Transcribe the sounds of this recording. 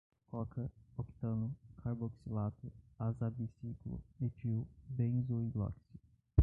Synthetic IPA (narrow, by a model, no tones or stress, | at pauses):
kolɔkɐoki̥t̪ɐ̃nʊkʰaɾboksilat̪ʊazabisiklṵepiubẽzuiɡlɔ̰ksi